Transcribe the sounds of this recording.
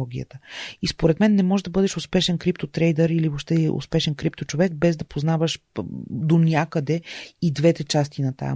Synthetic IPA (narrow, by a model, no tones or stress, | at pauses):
ɔɡʲiə̰t̪əispoɾɛt̪mɛnːɛmɔʒɛd̪ɐbɤd̪ɛʃʊspɛʃɛnkɾip̚t̪ot̪ɾɛjd̪əɾiliboʃt̪ɛʔo̰spɛʃɛnkɾipt̪ot͡ʃovɛɡ̚bɛzd̪ɐpoznavəʃ | d̪onʲakəd̪ɛid̪vɛt̪ɛt͡ʃast̪inɐt̪a̰j̰